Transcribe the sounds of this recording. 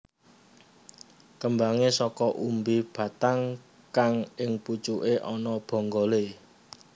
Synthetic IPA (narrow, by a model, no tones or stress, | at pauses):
kəmbaŋesɔkɔʔumbib̥a̤t̪aŋ | kaŋɪŋput͡ʃuʔeʔɔnɔb̥ɔ̤ŋɡɔle